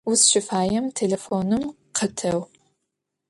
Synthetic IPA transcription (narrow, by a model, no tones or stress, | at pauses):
usʃɪfaːjɐmtʰelefoːnɨm | qʰətʰɐw